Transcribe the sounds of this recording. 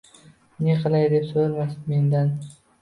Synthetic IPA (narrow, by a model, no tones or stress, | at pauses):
neqʰɨlˠajd̪e̞psoɾmasme̞nd̪an